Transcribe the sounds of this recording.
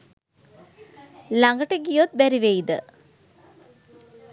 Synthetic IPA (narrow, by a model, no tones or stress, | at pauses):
laŋɡəʈəɡijot̪̚bæɾiʋeid̪ə